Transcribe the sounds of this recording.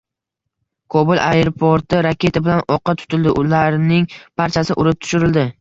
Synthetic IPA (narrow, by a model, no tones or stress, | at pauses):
kʰobʊlˠʔajeɾpʰoɾt̪ɪɾakʲʰe̞t̪ʰabɪlanɒqːɑt̪ʰʊ̥t̪ʰɪld̪ɪʔʊlaɾnɪŋpʰaɾt͡ʃʰasɪʔʊɾɪp̚t̪ʰʊ̥ʃʊɾɪld̪ɪ